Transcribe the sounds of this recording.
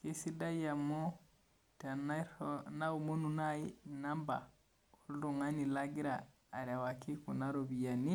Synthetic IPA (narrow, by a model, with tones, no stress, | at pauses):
ki˦si˦da˦ja˨mo˦ | ta˨na˦na˦u˨mo˦nu˨na˦i˦na˦mba̰˨ | o˦ldɔ˨ŋa˦ni˨la˦ɡi˦ɾaː˨ | ɾa˨wa˨ki˦ku˨na˦ɾo˨bi˨ja˨ni˦